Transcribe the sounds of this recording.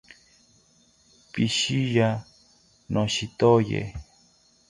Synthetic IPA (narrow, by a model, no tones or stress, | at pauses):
piʃija | nʔõʃit̪ojḛ